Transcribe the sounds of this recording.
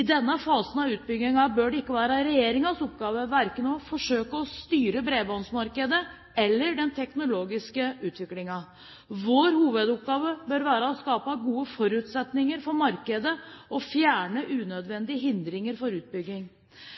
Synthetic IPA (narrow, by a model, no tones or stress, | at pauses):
ɪd̪ɛnːəfɑːsənɑʉːt̪̚bʏɡɪŋɑbœːɖɛɪkːəʋæːɾəɾɛjeːɾɪŋɑsɔpɡɑːʋəʋæɾkənɔfɔʂøːkəɔst̪yːɾəbɾeːbɔnsmɑɾkəd̪ə | ɛlːəɖɛnt̪ʰɛknʊloːɡɪskəʉːt̪ʋɪklɪŋɑ | ʋoːɾhuːʋəd̪ʊp̚ɡɑːʋəbœːɾʋæːɾəɔskɑːpɑɡuːəfɔɾʉt̪sɛt̪nɪŋəɾfɔɾmɑɾkəd̪əɔfjæːɳəʔʉːnœd̪ʋɛnd̪ɪəɦɪnd̪ɾɪŋəɾfɔɾʉːt̪̚bʏɡːɪŋ